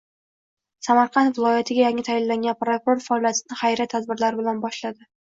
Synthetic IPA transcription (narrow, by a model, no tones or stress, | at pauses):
samaɾqʰɑnt̪vɪlˠɒjat̪ʰɪɡʲajaŋɪt̪ʰajɪlːaŋɡʲanpɾokʊɾo̞ɾfaːlˠjat̪ʰɪnɪχajɾat̪ʰːad̪̚bɪɾlaɾɪbɪlanbɒʃlad̪ɪ